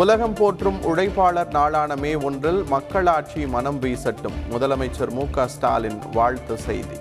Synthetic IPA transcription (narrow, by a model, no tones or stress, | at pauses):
ʊlɐɣɐmpoːʈrɯmʊɽɐɪpːaːɭɐɾnaːɭaːɳɐmeːɔndrɪlmɐkːɐɭaːʈ̚t͡ʃimɐnɐmʋiːsɐʈːɯmːʊðɐlɐmɐɪt͡ʃːɐɾmuːkaːsʈa̰ːlɪnʋaːɻt̪ɯsɛ̰jðḭ